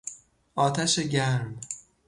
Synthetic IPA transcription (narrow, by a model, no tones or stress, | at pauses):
ʔɒːt̪ʰæʃeɟæɾm